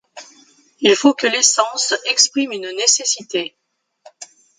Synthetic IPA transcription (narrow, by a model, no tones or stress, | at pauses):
ilfokəlesɑ̃sɛkspχimynnesesit̪e